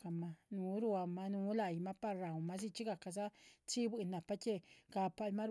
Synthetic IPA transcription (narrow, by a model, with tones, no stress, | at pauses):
a˧ma˧nu˨˦ɾu˦˧a˧ma˧nu˨˦la˧jma˦pa˦˧ɾɾa˨wma˦s̬i˦˧t͡ʃi˦ɡa˧˨ka˧s̬a˦t͡ʃi˦bi˧˨na˨pa˦t͡ʃe˦ɡ̥a˧pa˧lma˦ɾ